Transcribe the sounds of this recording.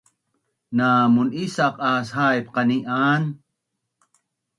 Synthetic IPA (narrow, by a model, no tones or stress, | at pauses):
naːmunisaqaːshaːjpqɑniʔaːn